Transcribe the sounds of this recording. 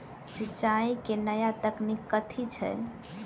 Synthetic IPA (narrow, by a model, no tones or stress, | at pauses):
sit͡ʃaikenəjat̪əknikːət̪ʰit͡ʃʰɛ̰